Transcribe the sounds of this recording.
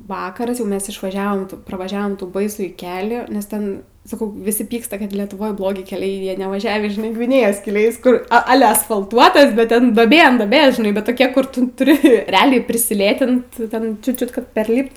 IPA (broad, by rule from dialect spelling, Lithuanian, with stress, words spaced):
ˈʋɑːkɐrɐs jɛʊ ˈmʲɛs ɪʃʋɐˈʒʲæːʋoːm prɐʋɐˈʒʲæːʋoːm tuː bɐɪˈsuːjiː ˈkʲæːlʲiː nʲɛs ˈtʲɛn ˈsɑːkɐʊ ʋʲɪˈsʲɪ ˈpʲiːkstɐ kɐt lʲɛtʊˈʋoːj ˈblˠoːɡʲɪ kʲɛˈlʲɛɪ ˈjiɛ nʲɛʋɐˈʒʲæːʋʲiː ʒʲɪˈnɐɪ ɡʋʲɪˈnʲeːjoːs kʲɛˈlʲɛɪs ˈkʊr ɐˈlʲɛ ɐsfɐlˠˈtuɔtɐs bʲɛt ˈtʲɛn duɔˈbʲeː ɐn duɔˈbʲeːs ʒʲɪˈnɐɪ bʲɛt ˈtoːkʲɛ kʊr ˈtʊ tʊˈrʲɪ rʲɛˈɑːlʲɛɪ pʲrʲɪsʲɪˈlʲeːtʲɪnt ˈtʲɛn t͡ʃʲʊ ˈt͡ʃʲʊt kɐt pʲɛrʲˈlʲiːpt